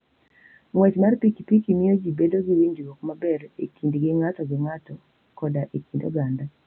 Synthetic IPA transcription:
ŋwɛt͡ʃmarpikipikimɪjod͡ʒibedoɡiwiɲd͡ʒwɔkmabɛɾḛkʰindɡɪŋatɔɡɪŋatɔ | kɔdaʔekindo̰ɡanda

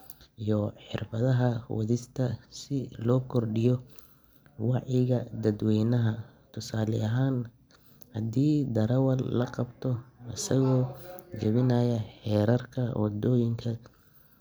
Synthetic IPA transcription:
ijɔħɪ̰rbɐðɐɦɐwɐ̰ðɪst̪ʰɐsɪlɔːkʰɔrɖɪjɔ | wɑʕɪɣɐd̪ɐd̪wɛːnɐɦɐ | t̪ʰʊsaːlɪ̰ɐɦaːn | hɐd̪iːd̪ɐɾɐwɐllɐqɑbt̪ʰɔɐsɐɣɔːd͡ʒɐβɪnajɐħɛːɾɐrkʰɐwɑd̪ɔːjɪŋkʰɐ

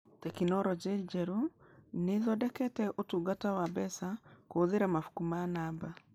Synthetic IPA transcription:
tɛkinɔɾɔd͡ʒɛd͡ʒɛɾuneðɔdɛkɛtɛʔotuɡatawabɛsakoːðeɾamafu̥kumanaːba

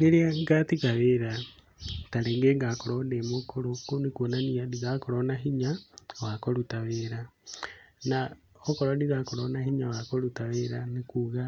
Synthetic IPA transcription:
neliaŋɡatikaβeɾa | taleːŋɡeːŋɡakoɾondemokoɾokonikuonaniadiðakoɾonaɦiɲawakolutaβeɾa | naokoɾodiðakolonahiɲawakolutaβeːɾanikuɣa

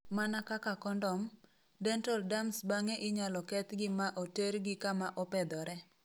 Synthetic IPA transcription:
manakakakɔndɔm | dɛntɔldamsbaŋɛʔɪɲalɔkɛt̪ɡɪmaʔoteɾɡɪkamaʔɔpɛd̪ɔɾɛ

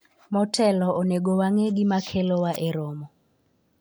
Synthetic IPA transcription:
mɔtʰɛlɔoneɡowaŋeɡɪmakʰelɔwaʔeɾomɔ

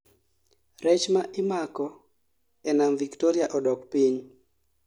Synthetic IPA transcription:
ɾɛt͡ʃmaʔɪmakɔ | ɛnamviktoɾiaʔɔdɔkpiɲ

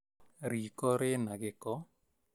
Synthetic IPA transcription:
ɾiːkɔɾɪnaɣɪkɔ

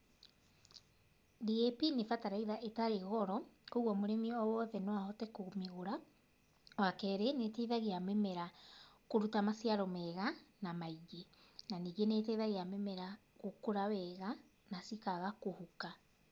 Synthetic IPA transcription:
diepinefataɾaiðaʔetaɾeɣɔɾɔkoɣɔmoɾɛmiɔɔwɔðɛnowahɔtɛkomiɣoɾa | wakɛɾeneteiðaɣeamɛmɛɾakoɾutamasjaɾɔmɛɣanamaiɡe | naniːɣenetɛðaɣeamɛmɛɾa | ɣokoɾawɛɣa | nasikaɣakohuka

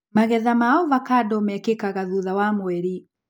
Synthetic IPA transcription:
maɣɛðamaɔvakadɔmɛkekaɣaðuðawamwɛɾi

